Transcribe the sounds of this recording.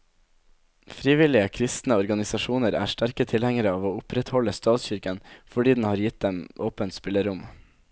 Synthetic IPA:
fɾiːʋɪlɪəkʰɾɪst̪n̩əɔɾɡɑnɪsɑʃuːnəɾæ̰ːʃʈæɾkət̪ʰɪlhɛŋəɾəɑːʋoːʊpɾɛt̪hɔləst̪ɑːt̪sçʏɾkənfɔɖiːd̪n̩hɑːɾjɪt̪̚d̪ɛmʔoːpənt̪spɪləɾʊm

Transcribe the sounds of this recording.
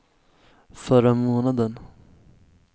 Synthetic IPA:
fœɾamoːnad̪ən

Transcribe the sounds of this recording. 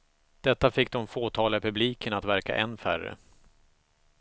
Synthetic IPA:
d̪̥ɛt̪ːafɪk̚ːd̪ɔmfoːt̪ʰɑːlpʰɵbliːkʰənat̪væɾka̰ʔɛnːfæ̰rə̰

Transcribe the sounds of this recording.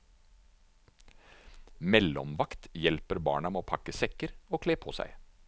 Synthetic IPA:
mɛlɔmʋɑkt̪jɛlpəɾbɑ̰ːɳɑmeoːpʰɑkəsɛkəɾoːkʰleːpʰoːsæ̰ɪ

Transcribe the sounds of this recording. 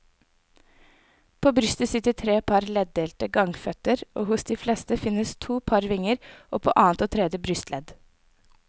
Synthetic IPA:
pʰoːbɾʏst̪əsɪt̪ət̪ʰɾeːpʰɑɾlɛd̪̚d̪eːlt̪əɡɑŋfœt̪əɾoːhʊsd̪iːfleːst̪əfɪnəst̪ʰuːpʰɑɾʋɪŋəɾʔo̰ːpʰo̰ːʔɑːnt̪oːt̪ʰɾɛd̪jəbɾʏst̪lʔɛd̪

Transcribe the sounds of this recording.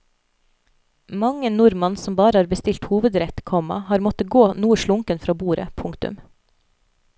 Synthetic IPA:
mɑŋənʊɾmɑnsɔmbɑːɾəhɑːɾbəst̪ɪlt̪huːʋəd̪ɾɛt̪kʰɔmɑ̰hɑːɾmɔt̪əɡoːnuːəʃɭʊŋkənfɾɑːbuːɾə̰pʰʊŋkt̪ʉ̰m

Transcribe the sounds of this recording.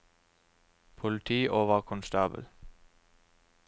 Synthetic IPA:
pʰʊlɪt̪ʰiːʔoːʋəʁkʰʊnst̪ɑːbə̰l

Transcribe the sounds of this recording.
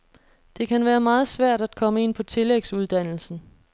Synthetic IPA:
d̥e̝kʰænʋæːɐmɑ̈ːð̞̩ˠsʋæɐ̰d̥æd̥kʰɒ̽məe̝n̰pʰɒ̽t͡sʰe̝leɡ̥suð̞ˠd̥æn̰l̩sn̩

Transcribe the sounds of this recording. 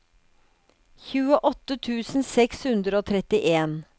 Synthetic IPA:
çʉːəʔɔt̪ət̪ʰʉːsn̩sɛkshʉnd̪ɾəoːt̪ʰɾɛt̪ɪʔeːn

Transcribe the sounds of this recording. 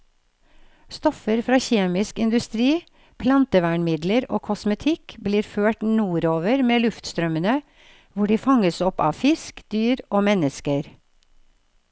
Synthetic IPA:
st̪ɔfəɾfɾɑːçeːmɪskɪnd̪ʉst̪ɾiː | pʰlɑnt̪əʋæɳmɪd̪ləɾo̰ːkʰɔsmət̪ʰɪkbliːɾføːʈnuːɾoːʋəɾmeːlʉft̪st̪ɾœmənə | ʋʊɖiːfɑŋəsɔpɑ̰ːfɪskd̪̥yːɾoːmɛnəskəɾ

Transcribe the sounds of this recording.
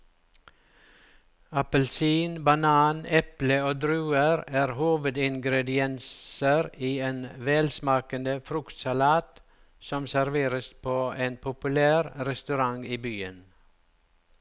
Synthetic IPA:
ɑpəlsiːnbɑnɑːnɛpləoːd̪ɾʉːəɾæːɾhuːʋəd̪ɪŋɡɾɛd̪ɪɛnsəɾiːeːnʋeːlsmɑːkənd̪əfɾʉkt̪sɑlɑːt̪ | sɔmsæɾʋeːɾəspʰoːʔeːnpʰʊpʉlæːɾɾɛst̪ʉɾɑŋiːbyːən

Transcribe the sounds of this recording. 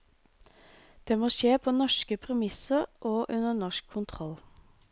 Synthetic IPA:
d̪̥eːmoːʃeːpʰoːnɔʃkəpʰʁɛmɪsəʁʔoːʔʉnəɳɔʃkʰːʊnt̪ʰʁɔl

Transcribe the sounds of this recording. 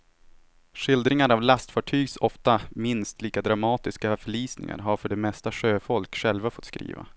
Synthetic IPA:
ʂɪld̪ɾɪŋaɾavlast̪fɑʈʰyːɡsɔft̪amɪnst̪liːkad̪ɾamɑːt̪ɪskafœɭiːsnɪ̰ŋa̰ɾɦaɾfœɖɛmɛst̪aʂøːfɔlkɧɛlvafɔt̪skɾḭːva̰

